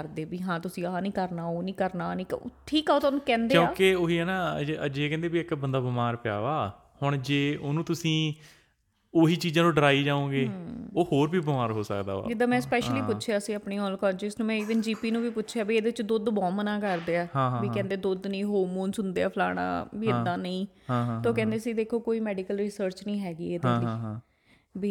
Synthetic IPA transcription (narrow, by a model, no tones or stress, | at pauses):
əɾd̪eːbiːɦãːt̪ʊsĩːaːnĩːkəɾnaːoːnĩːkəɾnaːnĩːkʈʰiːkaoːt̪oːnũːkɛ̃ːnd̪ejõːaːkɪoːɦiːɦɛːnaːəd͡ʒeːkɛ̃ːnd̪eːbiɪkbənd̪aːbəmaːɾpɪja̰ːʋaː | hʊɳd͡ʒeːonũːt̪ʊsĩː | oːɦiːt͡ʃiːd͡ʒãːnũːɖəɾaːiːd͡ʒãːõːɡeːoːhoːɾbiːbmaːɾɦoːsə̰kd̪a̰ːa̰ːd͡ʒɪd̪aːmɛ̃ːspɛːʃəliːpʊtːʃʰjaːəsĩːaːpniːɦɔːlkɔːd͡ʒɪsnũːmɛ̃ːiːʋənd͡ʒiːpiːnũːbiːpʊtːʃʰaːbiːeːd̪eːɪt͡ʃd̪ʊd̪bɔ̃ːmənãːkəɾd̪eaːɦãːbiːkɛ̃ːnd̪eːd̪ʊd̪nəĩːɦoːmoːnsʊnd̪eːaːpʰla̰ːɽ̃ã̰ːbiːɪd̪ːãːnəĩː | ɦãːt̪oːkɛ̃ːnd̪eːsiːd̪eːkʰːoːkoːiːmɛːɖiːkəlɾisəɾt͡ʃnĩːɦɛːɡiːeːd̪aːliː | biː